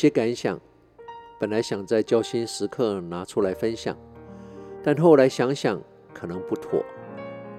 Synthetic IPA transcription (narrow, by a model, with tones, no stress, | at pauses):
jɛ˥ka˧˥nɕjɑ̰˨˩˦ŋ | pə˨˩nla˨˦ɪɕjɑ˨˩ŋt͡sa˥˩ɪt͡ɕjɑ˥ʊɕi˥nʂɻ̩˧˥kʰɤ˥˩na˧˥ʈ͡ʂʰu˥la˧˥ɪfə˦nɕjɑ̰˨˩˦ŋ | t̪a˥˧nxo˥˩ʊla˨˦˥ɪɕjɑ˧˥ŋɕjɑ˨˩˦ŋ | kʰɤ˨˩nɤ˧˦ŋpu˥˩t̪ʰwɔ̰˨˩˦